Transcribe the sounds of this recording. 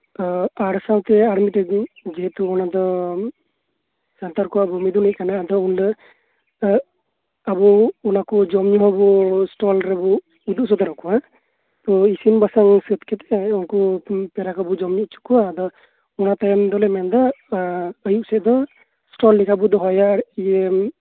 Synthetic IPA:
aɽsawt̪ɛaɽmiʈɛd͡ʒɛɦɛt̪uɔnad̪ɔ | sant̪aɾkɔabumid̪uniʔkanad̪ɔunlə | abuːnakɔd͡ʒɔmɲuɦɔbusʈɔlɾɛbu | ud̪uʔsɔd̪ɔɾɔkuwa | t̪ɔisinbasaŋsət̪̚kɛt̪ɛunkɔpɛɾakɔbud͡ʒɔmɲut͡ʃu̥kuad̪ɔ | unat̪ajɔnd̪ɔlɛmɛnd̪ɔ | əjuʔsɛʔd̪ɔ | sʈɔlːikʰabɔd̪ɔɦɔjaije

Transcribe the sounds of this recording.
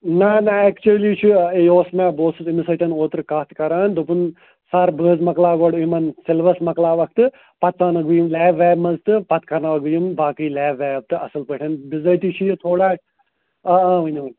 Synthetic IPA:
naːnaeːkt͡ʃuliːt͡ʃʰueoːsmãːboːsɨzimisɐt̪ɐnoːt̪ɾkaːt̪ʰkɐɾaːnd̪opun | saːɾbəːzmɐklaːɡoːɽimɐnselʋɐsmɐklaːʋɐk̚ʰt̪ɨ | pɐt̪saːnɐɡʋujumlɛːbʋɛːbmɐzt̪ɨpɐt̪kɐɾnaʋɐɡʋjumbaːkiːlɛːbʋɛːb̚t̪ɨɐsɨlpəʈʰɐnbizɐt̪it͡ʃʰijɐt̪ʰoːɽaː | ɐãːʋɐnʋɐn

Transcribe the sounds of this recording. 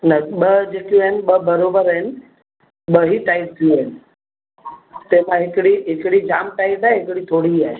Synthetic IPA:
nɐɓəd͡ʑeːkjũəɪnɪ̆ɓəbɐɾobəɾəɪnɪ̆ | ɓəɦiʈaːɪp̚t̪ʰijũɪnɪ̆ | t̪ẽmãɦɪkɪɽiɦɪkɪɽid͡ʑaːmʈaːɪpaːɦeɦɪkɪɽit̪ʰoːɽiaːɦe

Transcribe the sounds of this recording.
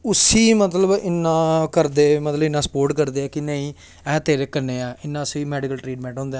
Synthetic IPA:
ʊsiːmət̪ləbɪnːãːkəɾd̪eːmət̪ləbɪnːãːsə̥poːɾʈkəɾd̪eːɛːkɪnəĩː | ɛ̃ːt̪eːɾeːkənːeːɛːɪnːãːsiːmɛːɖɪkəlʈɾiːʈmɛ̃ːɳʈɦõːnd̪aː

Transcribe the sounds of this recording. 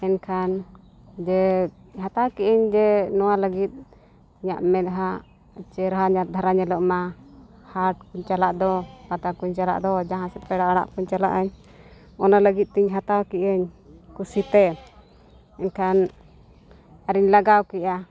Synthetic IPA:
ɛnkʰan | d͡ʒɛ | ɦat̪awkɛʔəɲd͡ʒɛnɔwaləɡit̪̚ | ɲa̰ʔmɛt̪̚ɦa | t͡ʃɛɾɦaɲat̪̚d̪ʱaɾaɲɛlɔʔma | haɾʈ̚kuɲt͡ʃalaʔd̪ɔpat̪akuɲt͡ʃala̰ʔd̪ɔd͡ʒaɦãsɛpɛɽaaɽa̰ʔkuɲt͡ʃala̰ʔaɲ | ɔnaləɡit̪̚t̪iɲɦat̪awkiʔəɲ | kusit̪ɛ | ɛnkʰan | aɾiɲlaɡawkɛʔa

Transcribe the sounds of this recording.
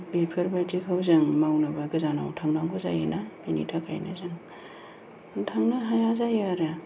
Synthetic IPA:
bepʰɯɾbaɾdikʰawzɯŋmawnɯbaɡɯzana̰wtʰaŋdaŋɡʰoza̰jḛnabinḭtʰakʰa̰jnʔa̰zɯŋ | tʰaŋnaɦajazajaɾa

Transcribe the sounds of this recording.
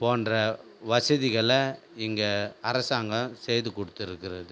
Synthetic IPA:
poːnrɐ | ʋɐsɐðɪɣɐɭɐ | ɪŋɡɐɐɾɐsaːŋɡɐ̃sɛjðɯkɔɽɯt̪ːɪɾɯkːɪɾɐðɯ

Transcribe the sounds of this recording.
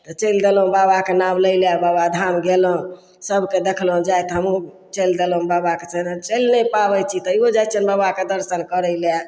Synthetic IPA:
t̪ɔt͡ʃəjld̪elɦũbabakenamləjljababad̪ʱamɡelɦũ | səbʱked̪ekʰlɦũd͡ʒajt̪ɦəmu | t͡ʃəjld̪elɦũbabakesənt͡ʃəlnɛpabəjt͡ʃʰit̪əiod͡ʒajt̪̚t͡ʃʰənbabaked̪əɾʃənkəɾəjlja

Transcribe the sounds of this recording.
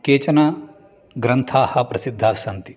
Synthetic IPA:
keːt͡ʃɐnɐ | ɡɾɐnt̪ʰaːhɐ̆pɾɐsid̪ʱːaːsɐnt̪i̥

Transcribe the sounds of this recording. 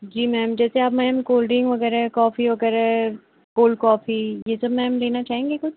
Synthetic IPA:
d͡ʒiːmɛːmd͡ʒɛːseaːbmɛːmkoːlɖɪ̃ŋɡʋɐɡɛːɾaɦɛkɔːfiʋɐɡɛːɾaɦɛ | koːlkɔːfijesɐbmɛːmleːnat͡ʃaːɦẽːŋɡekʊt͡ʃʰ

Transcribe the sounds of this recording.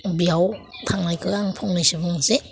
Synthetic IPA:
biawt̪ʰaŋnajkʰɯaŋpʰɔŋnajsɯbɯŋse

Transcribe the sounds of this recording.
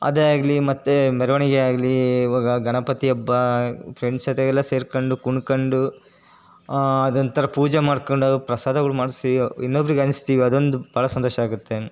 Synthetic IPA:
ɐ̰d̪eaːɡɐlimɐt̪ːemɛɾɐʋɐɳiɡeaːɡɐliʋaːɡɐɡɐɳɐpɐt̪iɐbːɐpɾeɳsɐt̪ɛɡɛlːɐse̞ːɾkoɳɖukuɳkɐɳɖu | ɐd̪ɐnt̪ʰɐɾɐpuːd͡ʒemaːɖkoɳɖupɾɐsaːd̪ʱɐɡɐɭumaːɽsiinːobɐɾiɡeɐnist̪iːʋiɐd̪o̞nd̪ubʱaːɭɐsɐnt̪oːʃɐaːɡut̪ːe̞

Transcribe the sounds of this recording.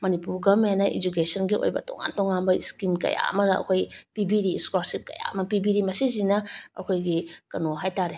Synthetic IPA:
mɐnipuɾɡɐmenɐʔḭd͡ʒuk̬esɐnɡiʔo̰jbɐ̰to̰ŋa̰ntoŋanbɐiskimkɐ̰ja̰ɐ̰mɐdɐɐ̰kʰojpibiɾiskoɾsip̚kɐ̰ja̰ɐmɐpibiɾimɐsizinɐɐ̰kʰojɡikɐnoɦajtaɾe

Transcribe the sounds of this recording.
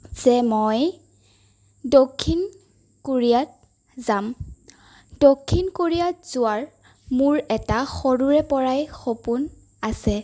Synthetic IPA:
z̥ɛmoj | dokʰːin | koɹijat̚ | zam | d̥okʰːinkoɹijatz̥ʊwaɹ | mʊɹɛtaxoɹuɹɛpɔɹajxopun | asɛ

